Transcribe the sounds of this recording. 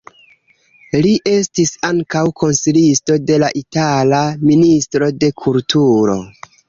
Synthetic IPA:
liʔe̞stisaŋkawkʰo̞nsilisto̞de̞laʔitalaministɾo̞de̞kʰultʰuɾo̞̰

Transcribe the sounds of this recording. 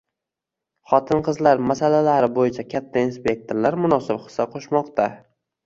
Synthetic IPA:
χɒt̪ʰɪnqʰɨzlaɾmasalalaɾɪbojɪt͡ʃʰakʲʰat̪ʰːainspʲe̞k̚t̪ʰoɾlaɾmʊnɒsɪbχɨ̥sːaqʰoʃmɒqt̪ʰa

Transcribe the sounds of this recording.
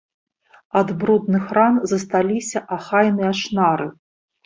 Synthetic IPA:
ad̪bɾud̪nɨxranzɐst̪alʲisʲɐʔaxajnɨjaʂnaɾɨ

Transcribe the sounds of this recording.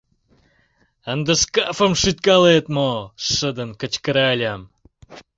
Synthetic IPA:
ənd̪əʂkafə̆mʂyt̪̚kɑlˠet̪moʂəd̪ənkə̆t͡ɕkəɾalʲam

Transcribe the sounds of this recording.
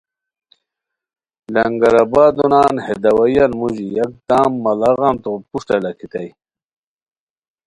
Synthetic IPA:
lɐŋɡɐɾabaːd̪unaːnhed̪ɐwɐjanmuʑijɐk̚t̪aːmːɐlaɣant̪opuʂʈɐlɐkʰit̪aj

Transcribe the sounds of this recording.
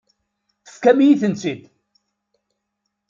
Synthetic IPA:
θə̥fkæmijiθənt͡sid̪

